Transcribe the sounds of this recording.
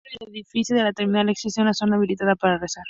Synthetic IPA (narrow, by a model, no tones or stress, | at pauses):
eleðifiθjuðelat̪eɾminaleksisjonlasonaːβ̞ilit̪aðapaɾaresaɾ